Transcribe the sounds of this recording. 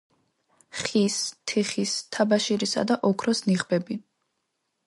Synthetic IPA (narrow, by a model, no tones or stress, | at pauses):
χist̪ʰiχist̪ʰabaʃiɾisa̰d̪aʔɔkʰɾɔsniʁbɛbi